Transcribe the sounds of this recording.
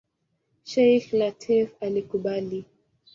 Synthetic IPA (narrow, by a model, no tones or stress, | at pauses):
ʃɛjxnatʰɛfalikuɓali